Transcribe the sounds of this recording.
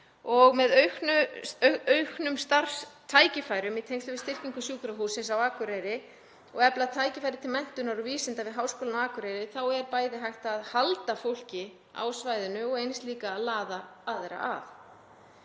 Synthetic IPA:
ɔɣmɛðœɥxnʏ | œɥknʏmst̪aɾst̪ʰaːjcɪfajɾʏmit̪ʰejŋkst̪ʏvɪst̪ɪr̥ciŋkʏsjuːkɾaɦuːsɪnsawaːkʏɾejɾɪ | ɔɣɛplat̪ʰaːjcɪfajɾɪt̪ʰɪlmɛn̥t̪ʏnaɾʏviːsɪnt̪avɪðɦawskɔːlanaaːkʏɾejɾɪθawɛɾpaːjðɪɦajxt̪ːðhalt̪afowl̥cɪ | a̰wsvajðʏnʏɔɣejnst̪liːkaːðlaːðaaːðeɾa̰ʔa̰θ

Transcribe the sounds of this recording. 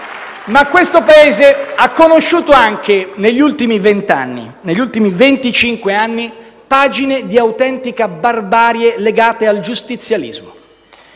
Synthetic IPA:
makwest̪opaeːzeakːonoʃːuːt̪oaŋk̟eneʎːult̪imivent̪a̰nːḭ | neʎːult̪imivent̪it͡ʃiŋkweanːipaːd͡ʒined̪iawt̪ɛnt̪ikabarbaːɾjeleɡaːt̪eald͡ʒust̪it̪sːjalḭzmo

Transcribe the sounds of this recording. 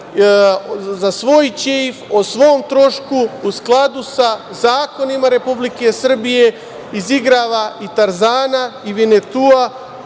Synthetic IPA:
zasʋo̞jt͡ɕefosʋo̞ːmt̪ɾo̞ʃkuːsklˠad̪usa | zaːko̞nimaɾe̞publike̞sr̩bije̞ | iziɡɾaːʋaʔit̪aɾzaːnaiʋinet̪ua

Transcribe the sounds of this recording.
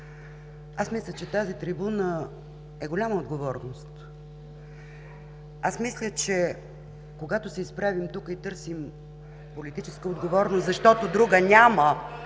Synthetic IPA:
asmislʲət͡ʃɛt̪azit̪ɾibunə | ɛɡolʲaməod̪ɡovɔɾnost̪ | asmislʲət͡ʃɛ | koɡat̪ʊsɛispɾavimt̪ukəit̪ɤɾsim | polit̪it͡ʃɛskəod̪ɡovɔɾnoszɐʃt̪ɔt̪od̪ɾuɡənʲamə

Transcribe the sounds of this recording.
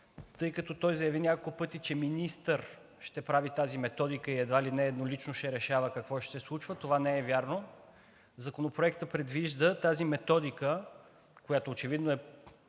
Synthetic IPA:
t̪ɤjkɐt̪ɔt̪ɔjzɐjɐvinʲakolˠkʊpɤt̪it͡ʃɛminist̪əɾ | ʃt̪ɛpɾavit̪azimɛt̪ɔd̪ikəiɛd̪vailinɛːd̪nolit͡ʃnoʃɛɾɛʃavəkɐkvɔʃɛsɛslˠut͡ʃvət̪ovanɛɛvʲjaɾno | zɐkonopɾoɛkt̪əpɾɛd̪viʒd̪ət̪azimɛt̪ɔd̪ikə | kojat̪oːt͡ʃɛvid̪noɛ

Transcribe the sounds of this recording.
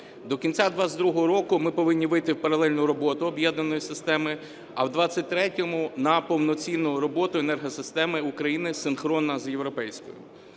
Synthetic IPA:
d̪ɔkʲint͡sʲad̪ʋazʲd̪ɾuɦɔɦɔɾɔkʊmɪpɔʋɪnʲːiʋɪjt̪ɪwpɐɾɐlˠɛlʲnʊɾɔbɔt̪ʊɔbjɛd̪nɐnɔjisɪst̪ɛmɪ | ɐwd̪ʋɑt͡sʲːɐt̚ʲt̪ɾɛtʲɔmʊnɐpɔwnɔt͡sʲinːʊɾɔbɔt̪ʊenɛrɦɔsɪst̪ɛmɪukɾɐjinɪsɪnxɾɔnːɐzjewɾɔpɛjsʲkɔ̰jʊ̰

